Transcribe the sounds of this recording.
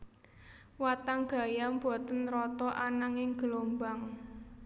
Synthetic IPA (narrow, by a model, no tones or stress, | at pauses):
wat̪aŋɡ̥a̤jamb̥ɔ̤t̪ənrɔt̪ɔʔanaŋɪŋɡ̥əlombaŋ